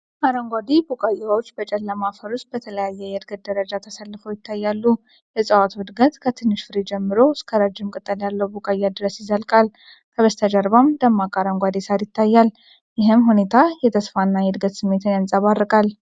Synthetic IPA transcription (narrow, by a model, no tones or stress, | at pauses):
ʔaɾəŋɡʷad̪ibukʼajawot͡ʃːbət͡ʃʼɛlːamafəɾʊst̪̚bət̪ʰələjajːɛjɛd̪ɡət̪̚d̪əɾəd͡ʒat̪ʰəsalːɨfojɪt̪ʰːajːalːu | jɛsʼəwat̪wɨd̪ɡət̪kʰət̪ʰɨnːɨʃfɨɾid͡ʒɛmːɨɾo̞skʰəɾad͡ʒːɪmkʼət̪ʼːəljalːəwbukʼajːad̪ɨɾəsjɪzəlkʼal | kʰəβəst̪ʰad͡ʒaɾβamd̪əmːakʼaɾəŋɡʷad̪isaɾjɪt̪ʰːajːal | jɪɦɨmɦune̞t̪ʰajɛt̪ʰəsfanːajɛd̪ɡət̪sɨmːe̞t̪ʰɨnjansʼaβaɾːɨkʼal